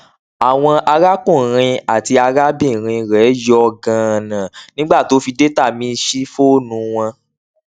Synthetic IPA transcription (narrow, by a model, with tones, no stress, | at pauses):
a˨w̃ɔ̃˧ʔa˧ɾa˦kũ˦˨ɾ̃ĩ˧a˨ti˧a˧ɾa˦bĩ˦˨ɾ̃ĩ˧ɾɛ˨˦jɔ˦˧ɡã˧˨nã˨nĩ˦ɡ͡ba˦˨to˨˦fi˧de˦ta˦˨mĩ˨˦˧ʃi˦fo˦nũ˨˧˦w̃ɔ̃˧